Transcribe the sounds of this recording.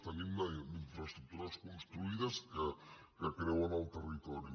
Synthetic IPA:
t̪əninaiɱfɾɐst̪ɾuk̚t̪uɾaskonst̪ɾuiðɐskə | kəkɾewanalˠt̪ərit̪ɔɾju

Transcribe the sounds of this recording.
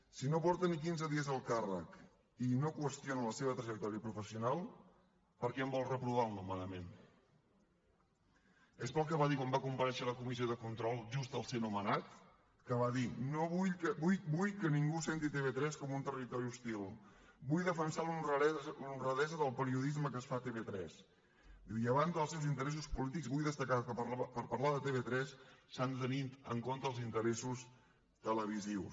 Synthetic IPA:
sinopɔɾt̪ənik̬inzəðiəzəlˠkarə̰k | inokwəst̪jonələseβət̪ɾəʒək̚t̪ɔɾiəpɾufəsiunalˠ | pəɾkɛəmbɔlˠrəpɾuβ̞alˠnumənəmen | espəlˠkəβaðikwambakumpəɾɛʃələkumizioðəkunt̪ɾɔlˠʒust̪əlˠsenumənat̪ | kəβaðinoβujəβujbujkəniŋɡusent̪it̪eβet̪ɾɛskɔmunt̪ərit̪ɔɾiust̪ilˠbujðəfənsalunrəɛlunrəðɛzəðəlˠpəɾiuðizməkəsfat̪eβet̪ɾɛ̰s | d̪iwiəβanzðəlˠsewzint̪əɾɛs̬uspulit̪ikzβujðəst̪əkakəəapəɾpəɾlaðət̪eβet̪ɾɛsːant̪ənit̪əŋkont̪əːlˠzint̪əɾesus | t̪ələβiziws

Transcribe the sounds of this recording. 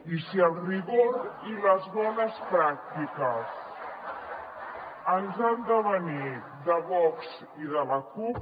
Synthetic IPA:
isiəlˠriɣoɾiləzβɔnəspɾak̚t̪ikəs | ənzand̪əβəni | ðəβɔkz | iðələkup

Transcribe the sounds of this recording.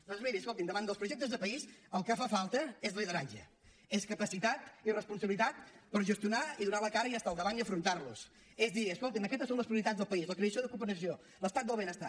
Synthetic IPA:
d̪ɔnzmiɾiəskolt̪ind̪əβand̪əlˠpɾuʒɛk̚t̪əzðəpəisəlˠkafafalˠt̪əezliðəɾad͡ʒə̰ | eskəpəsit̪at̪irəspunsəβilit̪at̪̚pəɾʒəst̪jiunaiðunaləkaɾəijast̪alˠd̪əβaniəfɾunt̪aɾlṵs | ezðiəskolˠt̪inəkɛt̪əsonləspɾiuɾit̪ad͡zðəlˠpəizləkɾesioðəkupəɾəsio | ləst̪at̪d̪əlˠβenəst̪a̰

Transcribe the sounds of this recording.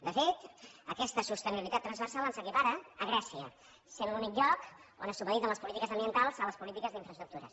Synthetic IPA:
d̪əfet̪əkɛst̪əsust̪əniβilit̪at̪ːɾənzβəɾsalˠənsəkipaɾəːɣ̞ɾɛsiə̰ | seβlunik̚ʎɔko̰nəsuβəðit̪əmləspulit̪ikəzəmbiənt̪alˠzələspulit̪ikəzðiɱfɾəst̪ɾuk̚t̪uɾə̰

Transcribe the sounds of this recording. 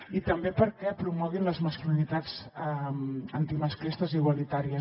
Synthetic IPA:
it̪əmbepəɾkɛpɾumɔɣ̞inləzməskulinit̪azɛmənt̪iməsklist̪əziɣwalit̪aɾiə

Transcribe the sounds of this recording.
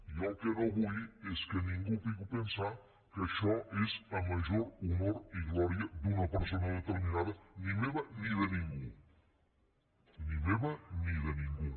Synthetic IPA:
jɔkenoβujeskenĩŋɡupiɣupensa | keʃɔezamaʒoɾumoɾiɣlɔɾjad̪unɐpeɾsonɐðet̪eɾminaðɐnimeβaniðenĩŋɡu | nimeβaniðenĩŋɡu

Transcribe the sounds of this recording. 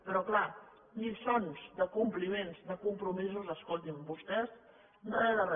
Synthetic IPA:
pəɾɔkla | lisonzd̪əkumplimenzðəkumpɾumizuzəskolˠt̪imbust̪ɛz | noɛðərə

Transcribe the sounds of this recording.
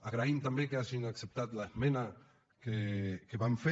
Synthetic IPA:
aɣɾaimt̪ambekeaʒiŋaksep̚t̪at̪laezmena | kekeβamfe

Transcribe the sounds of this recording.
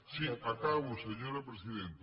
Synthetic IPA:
siakaβuseɲoɾapɾesiðent̪

